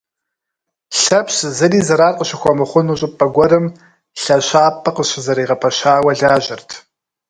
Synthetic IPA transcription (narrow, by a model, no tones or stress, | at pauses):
ɬɐpɕzɐriːzɐɾaːrqʼəɕɪxʷɔmɨχʷʊnuːɕʼɪpʼɐɡʷɔɾɨm | ɬɐɕaːpʰʼɐqəɕɪzɐɾiːʁɐpʰɐɕaːwɐɮaːʒɪrtʰ